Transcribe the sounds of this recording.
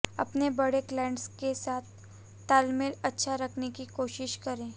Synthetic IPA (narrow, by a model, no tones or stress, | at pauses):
ɐ̰pnebɐɽeklɛ̃ːɪɳɖskesaːt̪̚ʰː | aːlmɪlɐtːʃʰaɾɐkʰnekikoːʃɪʃkɐɾẽː